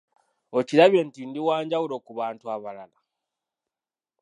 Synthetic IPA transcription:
o̞ciɾaβjentindiwaːɲɟawulo̞kuβaːntuaβalala

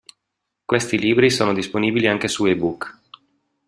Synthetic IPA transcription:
kwest̪iliːbɾisoːnod̪isponiːbiliaŋkesuebuk

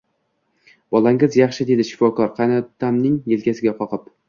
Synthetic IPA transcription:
b̥ɒlˠaŋɪzjɑχʃɪd̪e̞d̪ɪʃɪ̥fɒkɒɾqʰɑjnɒt̪ʰːamnɪŋjelkʲasɪɡʲaqʰɒqʰɨp

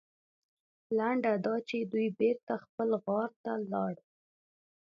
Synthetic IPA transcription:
laɳɖad̪ɑt͡ʃed̪ujbeɾt̪axpəlɣɑɾt̪alɑɽ

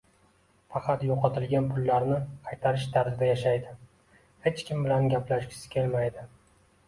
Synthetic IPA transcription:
fɑqɑt̪joqʰɑt̪ʰɪlɡʲanpʰʊlːaɾnɪqʰɑjt̪ʰaɾɪʃt̪ʰaɾzɪd̪ajaʃajd̪ɪ | he̞t͡ʃkʲɪmbɪlanɡʲaplaʃɡʲɪ̥sɪ̥kʲʰe̞lmajd̪ɪ

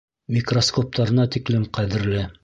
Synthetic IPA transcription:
mʲikroskop̚t̪ɑɾɤ̆nɑt̪iklɘmqæðɘ̆ɾlɘ

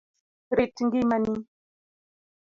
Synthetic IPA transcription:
ɾetːiŋɡimani

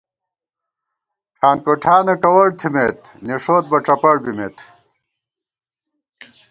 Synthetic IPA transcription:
ʈ͡ʂʰaːnkoʈʰaːnɐkɐwɐɽt̪ʰimet̪niʂoːt̪̚bɐʈ͡ʂɐpɐɽbimet̪

